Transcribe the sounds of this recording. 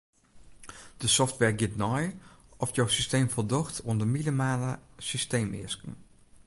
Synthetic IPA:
d̥əsɔftʋɛɹɡɪtnɔjʔɔfjowsistejmfɔlˠdɔxtʰondəminimaːləsysteːmɪ̰əskən̩

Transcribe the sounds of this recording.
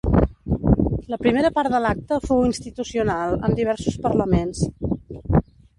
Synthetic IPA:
ləpɾimeɾəpaɾd̪əlak̚t̪əfowinst̪it̪usiunalˠə̰mnd̪iβ̞ɛɾsuspəɾləmens

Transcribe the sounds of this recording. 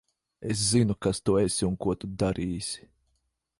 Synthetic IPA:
es̬zinukast̪uesʲiuŋkuɔt̪ud̪aɾiːsʲi̥

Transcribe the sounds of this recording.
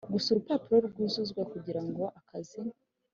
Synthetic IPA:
ɡusuɾupapiɾoɾɡwizuzɡwakuɟiɾaŋɡo̞ʔakazi

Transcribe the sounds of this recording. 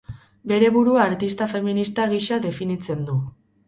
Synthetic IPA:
be̞ɾe̞βuɾuaɾt̪ist̪afe̞minist̪aɣiʃaðe̞finit͡se̞nd̪u

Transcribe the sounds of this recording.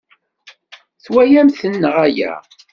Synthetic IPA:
θwæjæmθənːəʁæjæ̰

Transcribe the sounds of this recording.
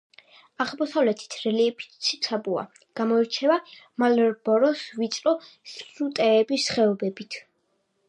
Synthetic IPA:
aʁmɔsavlɛt̪ʰi̥t̪ʰɾɛliɛpʰi̥t̪sʰit̪sʰabua̰ | ɡ̥amɔiɾt͡ʃʰɛvamalɛɾbɔɾɔsvit̪sʼɾɔsut̪ʼɛːbisχɛɔbɛbit̪ʰ

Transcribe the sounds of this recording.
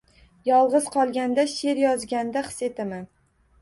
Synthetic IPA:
jɒlˠʁɨz̥qʰɒlˠɡʲand̪aʃe̞ɾjɒzɡʲand̪aχɨ̥set̪aman

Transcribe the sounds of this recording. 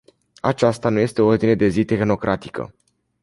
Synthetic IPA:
at͡ʃast̪anuje̞st̪eo̞o̞rd̪ine̞d̪e̞zit̪e̞xno̞kɾʔat̪ikə̰

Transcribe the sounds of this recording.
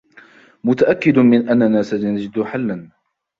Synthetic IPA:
mʊt̪aʔakːɪd̪ʊmɪnʔanːanaːsaanad͡ʒɪd̪ʊħalːan

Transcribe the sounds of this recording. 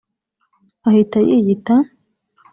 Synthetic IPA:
ahitajḭjit̪a

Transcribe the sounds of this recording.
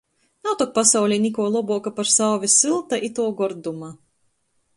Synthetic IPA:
nawt̪ɔk̚pasawlʲinʲikuɔlˠɔbuɔkapaɾsawvʲisilˠt̪aʔit̪uɔɡɔɾd̪uma

